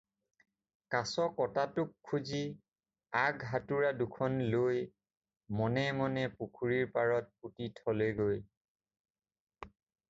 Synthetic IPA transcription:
kasɔkɔtatʊkʰːuzi | aɡɦatuɹadukʰɔnloj | mɔnɛmɔnɛpukʰuɹiɹpaɹɔt̚putitʰɔlojɡoj

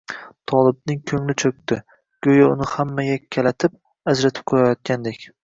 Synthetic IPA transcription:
t̪ʰɒlˠɪb̚nɪŋkʲʰɵŋlɪt͡ʃʰɵk̚ʲt̪ɪ | ɡ̥ɵjaʊnɪhamːajakʲʰːalat̪ʰɪp̚ | azɾat̪ʰɪ̥p̚qʰoɾajɒt̪̚kʲand̪ekʲ

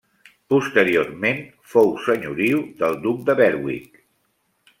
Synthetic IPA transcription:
pust̪əɾiormen | fowsəɲuɾiuðəlˠd̪uk̚d̪əβɛɾwḭk

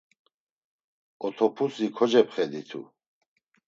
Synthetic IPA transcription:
ɔt̪ʰɔpʰusikʰɔd͡ʒɛpʰχɛd̪it̪ʰṵ

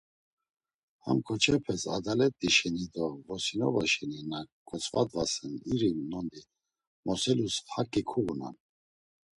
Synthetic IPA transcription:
ha̰mkʰɔt͡ʃʰɛpʰɛsad̪alɛt̪ʼːiʃɛnid̪ɔvɔsinɔ̰vaʃɛninakʼɔt͡sʰʼvad̪vasɛniɾinːɔnd̪i | mɔsɛlushakʼikʰuɣuna̰n

